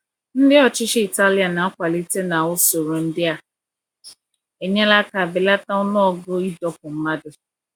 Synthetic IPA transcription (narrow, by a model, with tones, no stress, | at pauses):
n̩˦dɪ˦ɔ˨t͡ʃɪ˦ʃɪ˦i˨ta˦li˨˦a˨na˨a˦kʷa˨li˦te˦na˨wʊ˦so˨ɾo˨n̩˦dɪ˦a˨ | e˨ɲe˦la˦ka˨bɪ˨la˦ta˦ʊ˦nɔ˦ɔ˨ɡo˦i˦dɔ˦p̚ʊ˨m̩˦ma˦dʊ˦